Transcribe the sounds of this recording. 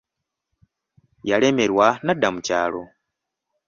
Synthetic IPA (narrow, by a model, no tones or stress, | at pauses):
jale̞me̞ɾwanadamuca̰ːlo̞